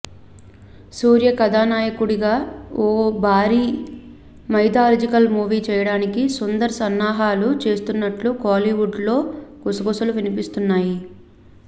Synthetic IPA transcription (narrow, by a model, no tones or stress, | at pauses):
suːɾjɐkɐd̪aːnaːjɐkuɽiɡaːoːbʱaːɾiː | mɐjd̪aːɾd͡ʒikɐlmuːʋiːt͡ʃɛːjɐɽaːnikisond̪ɐɾɐsɐnːaːɦaːlut͡ʃe̞ːst̪unːɐʈlukaːliʋuɖlo̞ːɡusɐɡusɐluʋinipist̪unːaːji